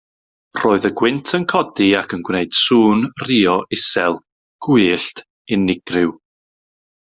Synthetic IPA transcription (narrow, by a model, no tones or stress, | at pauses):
r̥oːɨðəɡwɪntʰənkʰɔdiakʰənɡwneɨd̥suːnriːɔʔɪsɛlˠ | ɡ̥ʊɨɬt | ɪnːɪɡ̥rɪw